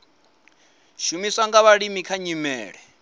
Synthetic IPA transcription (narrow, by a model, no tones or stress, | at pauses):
ʃumisaŋɡaβaɺimikʰaɲimɛ̰ːɺɛ